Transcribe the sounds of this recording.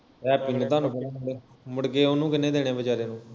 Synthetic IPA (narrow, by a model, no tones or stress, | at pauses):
ɛːpɪnt̪ãːnũːpəlaːmɽ | mʊɽkeːonũːkɪnẽːd̪eːɽ̃eːbəd͡ʒaːɾeːnũː